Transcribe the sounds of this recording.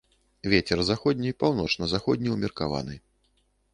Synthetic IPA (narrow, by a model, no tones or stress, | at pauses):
vʲet͡sʲɛrzaxɔd̪ʲnʲipawn̪ɔt͡ʂnɐzaxɔd̪ʲnʲiumʲirkava̰nɨ